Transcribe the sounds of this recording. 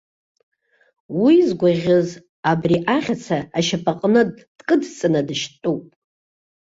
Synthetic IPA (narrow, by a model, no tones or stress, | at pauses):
wizɡʷaʁʲɨz | abriʔaχʲat͡sʰaːʃapʰʼaqʼnɨd | d̥kʼɨdt͡sʼɨnadɨʃtʼupʼ